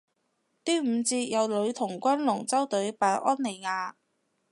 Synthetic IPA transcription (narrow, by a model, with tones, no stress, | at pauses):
t̪iː˥m̩˨˧t͡siː˧t̚jɐ˨˧wlɵ˨˧ɥt̪ʰʊ˨˩ŋkʷɐ˥nlʊ˨˩ŋt͡sɐ˥wt̪ɵ˨˥ɥpaː˧˥jʔɔː˥nne˨˩jŋaː˨˧